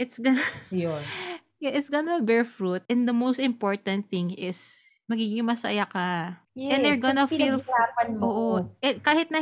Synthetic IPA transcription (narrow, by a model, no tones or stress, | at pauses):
ʔɪt̪sɡɔnɐjon | jɛʔɪt̪sɡonɐbɛɹfɹut̪̚ɛ̃nd̪ɐmowst̪ɪ̃mpoɹt̪ɐ̃nt̪̚θɪ̃ŋɪs | mɐɡiːɡɪŋmɐsɐ̰jakɐ | jɛ̃nd̪ɛɹɡonɐfillaːpɐnoːʔoʔɛkaːhɪt̪̚nɐ